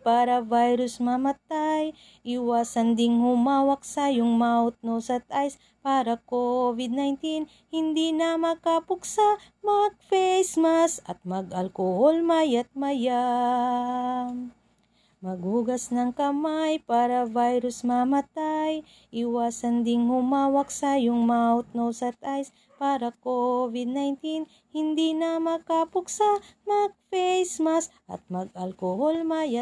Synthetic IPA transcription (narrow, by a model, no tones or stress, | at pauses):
paːɾɐvajɾʊsmɐmɐt̪aj | ʔɪwaːsɐnd̪ɪŋhʊmaːwɐk̚sajʊŋmaːʊt̪̚nosɐt̪̚ʔajs | paːɾɐkovɪd̪̚najnt̪in | hɪnd̪inɐmɐkapʊksa | mɐɡ̚fɛjsmasʔɐt̪̚mɐɡʔɐlkoholmajɐt̪̚mɐja | m | mɐɡhuːɡɐsnɐŋkɐmajpaːɾɐvajɾʊsmɐmɐt̪aj | ʔɪwaːsɐnd̪ɪŋhʊmaːwɐksajʊŋmaʊt̪̚nowsɐt̪ʔajs | paːɾɐkovɪd̪̚najnt̪in | hɪnd̪inɐmɐkapʊksamɐɡ̚fɛjsmasʔɐ̰t̪̚mɐɡ̚ɐlkoholmaja